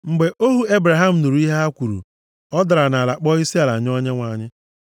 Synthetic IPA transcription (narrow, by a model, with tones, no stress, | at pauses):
ŋ͡m̩˨ɡ͡be˨ʔo˦ɦu˦e˦bɾa˨ɦa˦m̩˨nu˨ɾu˨˦i˦ɦe˦ɦa˦kʷu˨ɾṵ˨ | ɔ˦da˨ɾa˨na˨la˨k͡pɔ˦i˦si˦a˨la˨ɲ˦ɔ˦ɲe˦ŋʷa˨ɲɪ˦